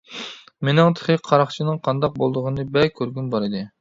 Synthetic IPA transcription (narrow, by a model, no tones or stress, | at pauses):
menɪŋt̪ʰɨ̥χɨqʰɑɾɑχt͡ʃʰinɨŋqʰɑnd̪ɑq̚bolˠd̪ʊʁənɨbɛlkʲʰːøɾɡʲynbɑɾɨd̪ɪ